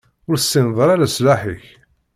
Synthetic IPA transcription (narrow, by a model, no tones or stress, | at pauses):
ʊɾsːinðˤɾaɾaslaħiç